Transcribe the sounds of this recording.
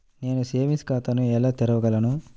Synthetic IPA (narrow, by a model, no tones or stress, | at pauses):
ne̞ːnuseːmiskaːt̪ɐnuɛlaːt̪ɛɾɐʋɐɡɐlɐnu